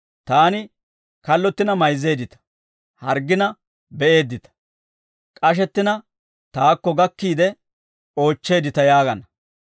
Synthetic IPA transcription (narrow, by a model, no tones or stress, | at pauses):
t̪aːnɪ | kɐlːɔt̪ːɪnɐmɐjzːe̞ːd̪ɪt̪ɐ̥ | hɐɾɡːɪnɐ | bɛʔe̞ːd̪ːɪt̪ɐ̥ | kʼɐʃ̬ɛt̪ːɪnɐ | t̪aːkːɔɡɐkːiːd̪ɛ | o̞ːt͡ʃːe̞ːd̪ɪt̪ɐjaːɡɐnɐ